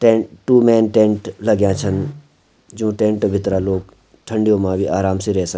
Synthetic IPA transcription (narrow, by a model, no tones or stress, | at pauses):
ʈẽːʈuːmɛːnʈẽːɳʈlɐɡjãt͡ʃʰən | d͡ʒũːʈẽːɳʈbʱɪt̪ɾaloːk | ʈ̪ʰəɳɖijõmãbʱiʔaːɾaːmsiɾɛɦsə